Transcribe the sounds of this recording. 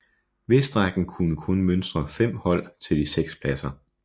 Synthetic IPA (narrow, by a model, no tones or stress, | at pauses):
ʋe̝sd̥ʁaɡ̥n̩kʰunəkʰɔnmønsd̥ʁɐfem̰hɒ̽l̰t͡sʰe̝ld̥iseɡ̥spʰlæsɐ